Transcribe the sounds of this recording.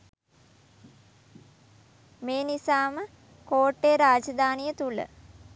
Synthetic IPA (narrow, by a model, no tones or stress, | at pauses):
meːnisaːmə | koːʈːeːɾaːd͡ʒəd̪aːnijət̪ulə̰